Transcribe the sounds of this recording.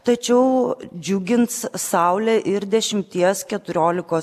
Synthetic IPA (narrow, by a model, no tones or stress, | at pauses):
t̪ɐt͡ʃʲɛʊd͡ʒʲʊɡʲɪnt̪ssɑʊlʲɛʔɪɾd̪ʲɛʃʲɪmʲt̪ʲiɛskʲɛt̪ʊɾʲoːlʲɪkoː